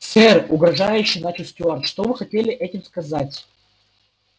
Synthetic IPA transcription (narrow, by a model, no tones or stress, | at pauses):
sɛrʊɡɾɐʐajʉɕːɪjnat͡ɕɪlʲˠsʲtʲʊart̪ʂt̪omɨxɐtʲelʲɪʔɛtʲɪmskɐzatʲ